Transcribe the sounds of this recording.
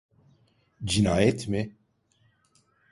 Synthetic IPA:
d͡ʒinaːjɛt̪ʰme

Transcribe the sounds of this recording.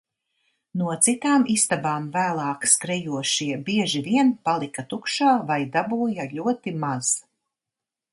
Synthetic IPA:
nuɔt̪sit̪aːmist̪abaːmvæːlˠɑːkskɾɛjuɔʃiɛbiɛʒiviɛnpalˠikat̪ukʃaːvajd̪abuːjaʎʲuɔt̪imaz̥

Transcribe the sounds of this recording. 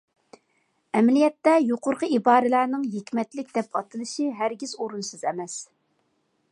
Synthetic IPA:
ɛmɛlijɛt̪ːɛjoqʊɾqʰəibɑːɾɨlæːɾnɨŋɦekʲmɛt̪lɪkʲd̪̥ɛpʰɑt̪ʰɨlˠɨʃiɦæɾɡʲizoɾunsɨzɛmɛs

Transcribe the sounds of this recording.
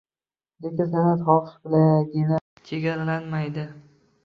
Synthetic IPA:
d̪ekʲasanat̪χɒʃbɪlaɡʲɪna | t͡ʃʰeɡʲaɾalanmajd̪ɪ

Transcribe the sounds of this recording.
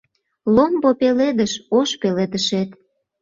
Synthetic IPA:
lombopeled̪əʃoʃpeled̪əʃet̪

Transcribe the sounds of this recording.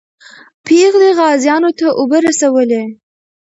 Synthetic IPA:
pʰeɣleɣɑzjɑnot̪aʔobəɾasawəle

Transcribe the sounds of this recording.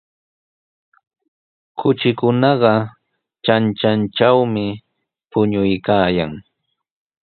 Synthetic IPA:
kʰʊt͡ʃɪkʊnɑɢɑ | t͡ʃant͡ʃant͡ʃawmɪ | pʊɲʊjkaːja̰ŋ

